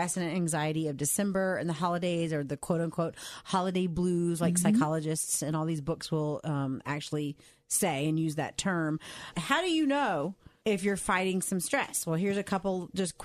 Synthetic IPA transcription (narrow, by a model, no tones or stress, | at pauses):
ɛsɨnɨ̃næ̃ŋzaɪɨɾiʌvdɨsɛ̃mbə˞ɨ̃nðəhɑlˠədeɪzə˞ðɨkʰw̥oʊɾʌ̃nkʰw̥oʊt̚hɑlˠədeɪblʉzlaɪksaɪkʰɑlˠəd͡ʒɨstsɨ̃ñɔlˠðizbʊkswɪlˠʌ̃mæ̰k̚t͡ʃʉl̩ˠi | seɪɨ̃njʉzðɨ̰tʰɜ̃˞mhaʊɾɨjɨnoʊɪfjə˞faɪɾɪ̃ŋsʌ̃mstɹ̥ɛ̰swɛlˠɦiɹzɨkʰʌpl̩ˠd͡ʒʌskʰ